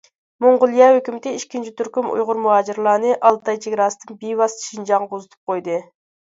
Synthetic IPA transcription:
moɴʁʊlˠijɑhøkʲymɪt̪ɪiʃkʲint͡ʃʰit̪ʰyɾkʲymṵjʁʊɾmuɦɑːd͡ʒiɾlˠɑːnɨʔɑlˠt̪ɑjt͡ʃʰeɡʲɾɑːsɨ̥d̪ɨnbiwɑsʃind͡ʒɑŋozɨt̪ʰu̥p̚qʰojd̪ɨ

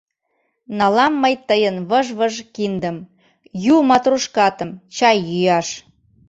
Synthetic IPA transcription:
nɑlɑmːəjt̪əjənβəʒβəʒkind̪əm | jumɑt̪ruʃkɑt̪ə̆mt͡ɕɑjːyjɑʃ

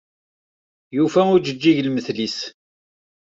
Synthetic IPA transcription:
jufæʊɾd͡ʒəd͡ʒːiʝlməθlis

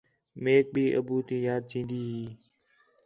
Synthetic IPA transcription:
meːk̚bʱiːʔə̰buːt̪iːjaːd̪̚d͡ʒĩːnd̪iːɦiː

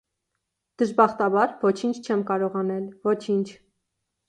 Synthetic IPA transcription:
d̪̥əʒbɑχt̪ɑbɑɾvɔt͡ʃʰint͡ʃʰt͡ʃʰɛmkɑɾɔʁɑnɛlvɔt͡ʃʰint͡ʃʰ

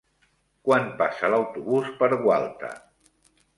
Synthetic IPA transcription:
kwanpasəlawt̪uβuspəɾɣwa̰lˠt̪ə̰

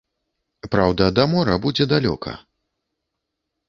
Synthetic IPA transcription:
pɾawd̪ɐd̪amɔɾɐbud͡zʲɛd̪alʲɔ̰kʰɐ̰

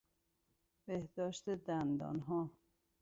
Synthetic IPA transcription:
b̥ehd̪ɒːʃt̪ed̪ænd̪ɒ̰ːnɦɒː

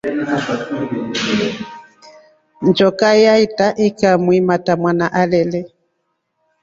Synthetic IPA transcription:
nd͡ʒɔkajaitaʔikamwimatamwanaʔalɛlɛ

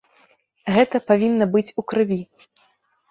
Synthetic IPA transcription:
ɣɛt̪ɐpavʲinːɐbɨt͡sʲukɾɨvʲi

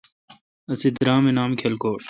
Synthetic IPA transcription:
ɐsid̪ɾaːmenaːmkʰelkoːʈ

